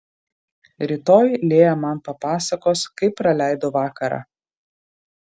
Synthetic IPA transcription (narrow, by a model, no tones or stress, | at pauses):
ɾʲɪt̪oːjlʲeːjɛmɐnpɐpɑːsɐkoːskɐɪpːɾɐlʲæˑɪd̪oːʋɑːkɐɾɑ̰ː